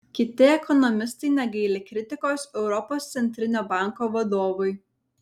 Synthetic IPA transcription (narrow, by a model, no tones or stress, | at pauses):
kʲɪt̪ʲɪɛkɔnɔmʲɪst̪ɐɪnʲɛɡʲɛɪlʲekɾʲɪt̪ʲɪkoːsɛʊɾɔpoːst̪sʲɛnʲt̪ʲɾʲɪnʲoːbɑˑŋˑkoːʋɐd̪oːʋʊɪ